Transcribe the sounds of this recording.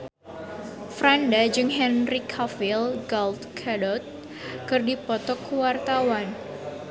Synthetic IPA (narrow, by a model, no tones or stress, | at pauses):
fɾandad͡ʒɨŋɦɛnrikʰafilɡɔlt̪kʰadɔt̪̚ | kɨrdipɔt̪ɔkwart̪awan